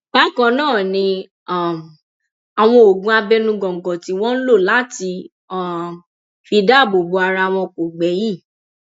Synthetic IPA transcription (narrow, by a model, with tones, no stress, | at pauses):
b̥a˦kɔ̃˧nãː˦˨nĩ˧ | a˦˨m˨ | a˨w̃ɔ̃˧o˨ɡũ˦a˧bɛ˦nũ˦ɡɔ̃˨ɡɔ̃˨ti˧w̃ɔ̃˦n̩˦lo˦˨la˨˦ti˧˨ | fi˧da˦˨bo˨bo˨˧a˧ɾa˧w̃ɔ̃˧ko˨ɡ͡bɛ˨˦ji˦˨